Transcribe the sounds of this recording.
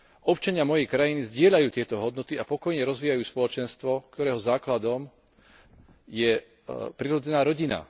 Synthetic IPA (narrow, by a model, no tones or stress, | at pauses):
ʔɔpt͡ʃaɲɪamɔjɛjkɾajinizɟɪɛʎajuːt̪ɪɛt̪ɔɦɔd̪nɔt̪iapɔkɔjɲɛɾɔzʋiːjajuːspɔlɔt͡ʃɛnst̪ʋɔkt̪ɔɾɛːɦɔzaːklad̪ɔm | jɛ | pɾiɾɔd͡zɛnaːɾɔɟina̰